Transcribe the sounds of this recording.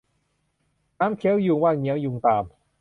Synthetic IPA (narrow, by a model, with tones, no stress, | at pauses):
naː˦˥mkʰɛ˦˥wju˧ŋwaː˥˩ŋɲɛ˦˥˦wju˧ŋt̪aː˧m